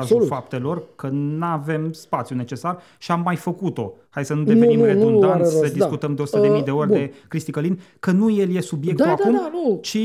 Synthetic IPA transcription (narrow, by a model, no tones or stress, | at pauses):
zulfap̚t̪e̞lo̞rkənave̞mspat̪sjune̞t͡ʃe̞sar | ʃiamːajfəkut̪o̞̰hajd̪sənud̪evenirenõnd̪anesəd̪iskut̪əmd̪eosu̥t̪d̪emid̪e̞o̞rʲd̪e̞kɾist̪ikəlin | kənuje̞lje̞subj̪e̞k̚t̪ulad̪kumat͡ʃi